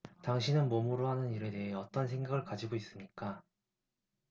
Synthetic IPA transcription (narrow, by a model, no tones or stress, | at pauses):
taŋɕʰinɯnmomuɾoɦanɯniɾe̞te̞ɦe̞ʌt͈ʌnsʰe̞ŋɡaɡɯɭkad͡ʑiɡois͈ɯmɲik͈a